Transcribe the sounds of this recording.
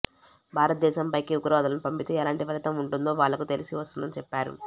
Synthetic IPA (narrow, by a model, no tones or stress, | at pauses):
bʱaːɾɐt̪̚d̪ɛːʃɐmpɐjkiuɡɾɔːd̪ɐlɐnupɐmpit̪eɛlaːɳʈipɐɾit̪ɐmuɳʈund̪o̞ːʋaːɭːɐkut̪e̞lisiʋɐst̪und̪ɐnit͡ʃɛpːaːɾṵ